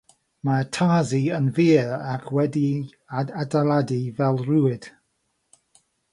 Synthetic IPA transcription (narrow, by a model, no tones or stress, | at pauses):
matʰaːziənviːɹakʰwɛdi | aadaladivɛlˠruːɪd̥